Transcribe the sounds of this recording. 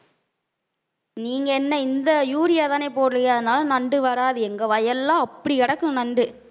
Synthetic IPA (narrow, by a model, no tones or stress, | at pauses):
niːŋɡɐɛnːɐɪnd̪ɐjuːɾɪjaːt̪ãːneːpoːɽɯlɐjaɐðɯnaːlɐnɐɳɖɯʋɐɾaːðɯɛŋɡɐʋɐjɐlːãːɐpːɐɽiɛɽɐkːɯ̃nɐɳɖɯ